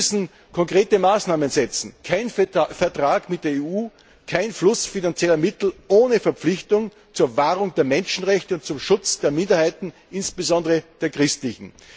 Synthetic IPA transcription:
sn̩ | kʰɔŋkʁ̥eːtəmaːsnaːmənzɛt͡sn̩kʰaɪnfɛɐtʁ̥aːɡmɪt̚d̥eːɐeːuː | kʰaɪnflʊsfinant͡sjɛlɐmɪtl̩ʔoːnəfɛɐp͡flɪçtʊŋ | t͡suːɐvaːʁʊŋdeːɐmɛnʃn̩ʁɛçtəʊntt͡sʊmʃʊt͡sd̥eːɐmɪ̃ndɐhaɪtn̩ | ʔɪnsb̥ezɔ̃ndəʁəd̥eːɐkʁ̥ɪstlɪçn̩

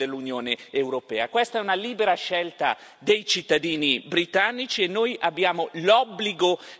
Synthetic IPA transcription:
elːunjoːneːwɾopɛ̰ːakwest̪aɛunaliːbeɾaʃɛlt̪a̰ | d̪ejt͡ʃit̪ːad̪iːnibɾit̪anːit͡ʃienːoːjabːjaːmolɔbːliɡo

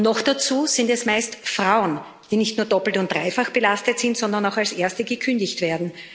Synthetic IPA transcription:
nɔxd̥at͡suːz̥ɪndɛsmaɪstfʁaʊən | d̥iːnɪçtnuːɐdɔpl̩tʊntd̥ʁaɪfaxb̥əlastətsɪ̃ntz̥ɔ̃ndɐnaʊxalsʔeːɐstəɡəkʰʏndɪçtv̥eːɐdn̩

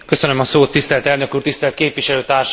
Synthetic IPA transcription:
kø̞sønømɒsoːt̪ːist̪ɛlt̪ɛlnøkuːrt̪ist̪ɛlt̪keːpʋiʃɛløːt̪aːrʃ

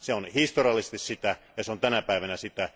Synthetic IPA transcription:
seonhist̪oriɑlːˑise̥st̪issit̪æjɑseont̪ænæpæiʋænæsit̪æ

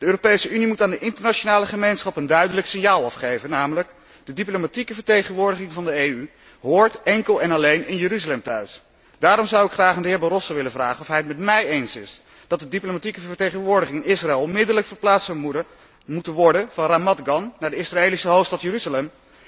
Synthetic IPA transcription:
d̥əøːropejsəynimutaːndəʔɪntəɹnat͡ʃonaːləχəmejnsχɑpəndœɥdələksɪnjaːlˠɑfχejvənːaːmələk | d̥ədiplomatikəvəɹtejχənʋʊːɹdəχɪŋvɑndəejy | ɦʊːɹtɛŋkəlˠɛnɑlejnɪnjəɾyzalɛmtœɥs | d̥aːɾɔmzʌwɪkχraːχandəɦɪːɹbɑrɔsoʋɪləvraːχənɔfɦɛjətmɛtmɛjejnsɪs | d̥ɑt̚dədiplomatikəvvəɹtejχənʋʊːɹdəχɪŋɪnɪsraɛːlˠmɪdələkfəɹplaːtsəmu | mutənʋɔɹdəvɑnramɑtɡɑnnaːɹdəɪsraeːlisəɦowftstɑtjəryzalɛm

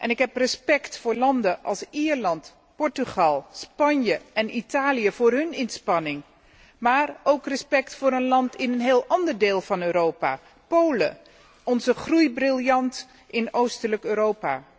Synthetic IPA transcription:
ʔɛnɪkɦɛprəspɛktfʊːɹlɑndəʔɑ̰lˠsiːɹlɑnt | pɔɹtyχɑlˠspɑɲjəɛnitaːlijəv̥ʊːrɦɵnɪnspɑnɪŋ | maːrowkrəspɛktfʊːɾənlɑntɪnənɦeːlˠʔɑndəɹdeːlˠvɑnøːɾowpa̰ː | powlə̰ | ɔnzəχrujbrɪlˠjɑnt | ʔɪnowstələkøːɾowpa̰ː

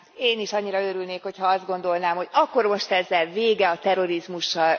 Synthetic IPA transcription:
eːniʃɒɲːiɾɒøɾylneːkho̞chɒɒzd̪ɡo̞nd̪o̞lnaːmɦo̞ɟɒkːo̞rmo̞ʃt̪ɛzːɛlveːɡɛɒt̪ɛɾo̞ɾizmuʃːɒl

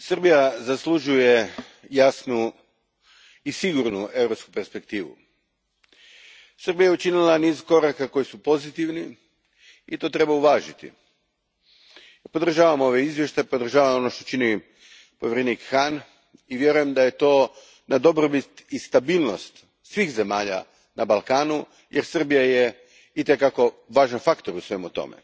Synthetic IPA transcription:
sr̩bijazaslˠuʒuje̞ | jasnu | isiɡuɾnue̞wɾo̞pskupe̞ɾspe̞kt̪iːʋṵ | sr̩bijajeut͡ʃinilˠaniːzko̞ɾakako̞jisupo̞zit̪iʋni | it̪o̞ːt̪ɾe̞bauʋaːʒit̪ḭ | po̞d̪r̩ʒaːʋamo̞ʋe̞izʋjeʃt̪apo̞d̪ɾr̩ʒaːʋamo̞no̞ʃt̪o̞t͡ʃini | po̞ʋjeɾeniːkxan | iʋje̞ɾuje̞md̪aje̞t̪o̞ː | nad̪o̞bɾobit̪ist̪abiːlˠno̞st̪ | sʋiːxze̞maːʎa̰ | nabalˠkaːnu | jeɾsr̩bijaje | it̪ekako̞ʋaːʒanfakt̪o̞ɾusʋe̞mut̪o̞̰mḛ

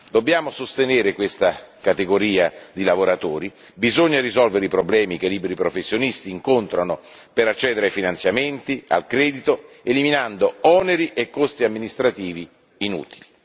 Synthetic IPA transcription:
d̪obːjaːmosost̪eneːɾekwest̪akat̪eɡoɾiːad̪ilavoɾat̪oːɾi | bizoɲːaɾizɔlveɾeipɾoblɛːmik̟eliːbɾipɾofesːjonist̪iːŋkont̪ɾano | peɾat͡ʃːɛːd̪eɾeajfinant̪sjament̪ia̰lkɾɛːd̪it̪o | eliminand̪oɔːneɾiʔekːost̪iamːinist̪ɾat̪iːviː | nṵːt̪ili

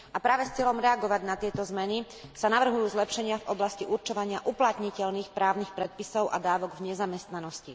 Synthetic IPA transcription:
apɾaːʋɛst͡sɪɛlɔmɾɛaɡɔʋaɟnat̪ɪɛt̪ɔzmɛni | sanaʋr̩ɦujuːzlɛpʃɛɲɪavɔblasciʔuɾt͡ʃɔʋaɲɪaʔuplat̪ɲicɛʎniːxpɾaːʊnixpɾɛt̪̚pisɔʊʔa̰d̪aːʋɔɡvɲɛzamɛst̪nanɔsci

